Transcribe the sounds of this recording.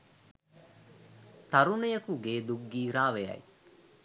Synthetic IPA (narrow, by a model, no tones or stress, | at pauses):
t̪ɐɾunejɐkuɡeːd̪uɡːiːɾaːʋejɐ̰j